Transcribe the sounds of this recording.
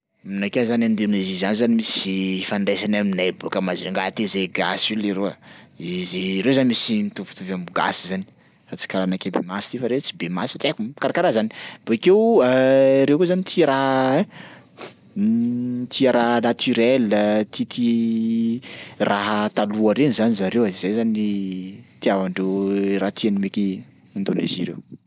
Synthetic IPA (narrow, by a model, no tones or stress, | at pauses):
mnakezanand̪enizizanizanimisifaɳɖ͡ʐesanaminajbukəmazeŋɡat̪ezeɡasuleɾoaiziɾewzanimisinit̪uvu̥t̪uvambuɡa̰sizani̥ | rat͡si̥kaɾanakebḛmasi̥t̪ifaɾet͡si̥bemasi̥fat͡sakukaɾakaɾazani̥b̥okewəɾewkozanit̪ʰiɾaɦ | t̪ʰiaɾaɦnat̪ʰyɾelət̪ʰit̪ʰi | rʔaɦət̪aluaɾenizanizaɾewaizejzanit̪iavaɳɖ͡ʐewɾat̪ʰianimeki | and̪onḛziɾew